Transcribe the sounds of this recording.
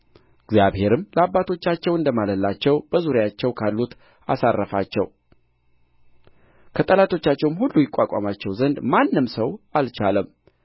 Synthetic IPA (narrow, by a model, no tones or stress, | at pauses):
ɡzjaβhe̞ɾɨmləabːat̪ʰo̞t͡ʃːat͡ʃːɛwɨnd̪əmaləlːat͡ʃːɛwbəzuɾjat͡ʃːɛwkʰalːut̪ | a̰sarːəfa̰t͡ʃːɛ̰w | kʰət̪ʼəlat̪ʰo̞t͡ʃːat͡ʃːɛwmhulːujɪkʷʼːakʷʼa̰mat͡ʃːɛwzənd̪manːɨmsəwalt͡ʃaləm